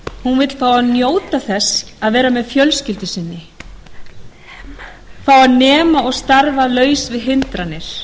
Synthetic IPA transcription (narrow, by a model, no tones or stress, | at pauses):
hunvɪt̪l̥faːwanjoːwt̪aθɛsaðvɛːɾamɛðfjœlscɪlt̪ʏsɪnːɪ | faːwanɛːmaɔɣst̪aɾvalœːɥsvɪðɦɪnt̪ɾanːɪɾ̥